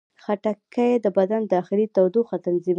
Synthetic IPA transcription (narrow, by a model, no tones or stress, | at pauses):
xaʈakʰajed̪əbad̪and̪əaxɪlit̪awd̪oxat̪anzim